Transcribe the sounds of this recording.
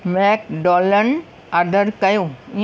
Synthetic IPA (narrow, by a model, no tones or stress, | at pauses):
mɛːkɖoːlən | ad̪əɾkɐjũĩ